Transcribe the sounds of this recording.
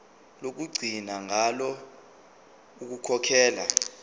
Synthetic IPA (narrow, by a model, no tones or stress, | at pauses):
lok̬uɡ͡ǀʱinaŋʱalɔ | uk̬ukʰɔkʰɛːla̰